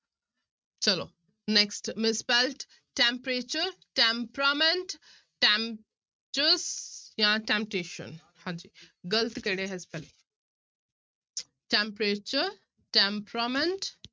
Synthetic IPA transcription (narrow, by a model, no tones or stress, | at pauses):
t͡ʃɐlo̰ː | neksʈmɪsbelʈ | ʈẽmpɾeːt͡ʃəɾ | ʈẽmpɾamẽɳʈ | ʈem | t͡ʃəɾsjãʈẽmp̚ʈeːʃə̰̃n | hãd͡ʒiːɡəlt̪keɽeɦɛspɛle | ʈẽmpɾet͡ʃəɾ | ʈẽmpɾamẽɳʈ